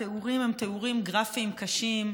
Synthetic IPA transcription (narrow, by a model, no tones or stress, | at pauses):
euʁimhemt̪euʁimɡʁafimkɐʃim